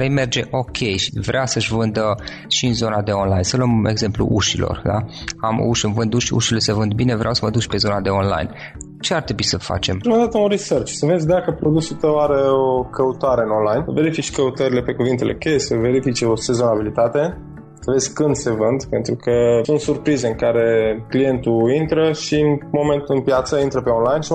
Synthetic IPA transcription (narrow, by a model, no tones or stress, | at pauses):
ɾejme̞rd͡ʒe̞ʔo̞kʲʰe̞jʃivɾeasəʃʲvɨnd̪ə | ʃiɨnzo̞nad̪e̞o̞nlajnsəluəme̞ɡze̞mplṵʔuʃilʔo̞̰rd̪a̰amṵʃɨnvɨnd̪uʃṵʃilesevɨnd̪̚bine̞vɾeawsəvəd̪ut͡ʃʲpe̞zo̞nad̪e̞onla̰jn | t͡ʃe̞art̪ɾe̞buisəfa̰t͡ʃe̞mumand̪at̪əũnɾisərt͡ʃsəve̞d̪zʲd̪akəpɾo̞d̪usut̪əwaɾe̞o̞kəut̪aɾe̞ɨnonlajnve̞ɾifit͡ʃkəut̪əɾile̞pe̞kuvint̪e̞lekʲejesəve̞ɾifit͡ʃo̞se̞zo̞nabilit̪at̪e̞ | səvezʲkɨnd̪se̞vɨnd̪pe̞nt̪ɾukəsunt̪surpɾize̞ɨŋkaɾe̞klije̞nt̪uint̪ɾəʃiɨnmo̞me̞nt̪ɨnpjat̪səint̪ɾəpe̞o̞nlajnʃi